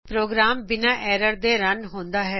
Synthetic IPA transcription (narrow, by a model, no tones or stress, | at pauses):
pɾoːɡɾaːmbɪnãːʔɛːɾəɾd̪eːɾənɦõːnd̪aːɦɛː